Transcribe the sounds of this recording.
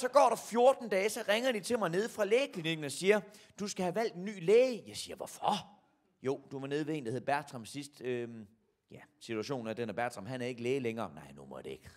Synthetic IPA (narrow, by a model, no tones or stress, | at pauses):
sɒ̽ɡ̥ɒ̰ːɾ̥ɑ̈fjo̝ɐd̥n̩d̥ɛːsɒ̽ʁeŋɐd̥it͡sʰe̝lmɑ̈ɪne̝ð̞ˠfʁɑ̈leːkʰliniɡ̥n̩ɒ̽siːɐ | d̥usɡ̥æhæʋæl̰d̥enːy̰ːleːɪjɑ̈ɪsiːɐʋɒfɒ | jo̝ʊd̥uʋɑ̈ne̝ð̞ˠʋee̝̰ːnd̥æhe̝ð̩ˠb̥æɐ̥t͡sʰʁɑmsisd̥ø | jæsit͡sʰuæɕo̝̰ːn̩æd̥enæb̥æɐ̥sʰʁɑmɦænæɐe̝ɡ̥əleːleŋɐːnɑ̈ɪ̰numɒd̥e̝eɡ̥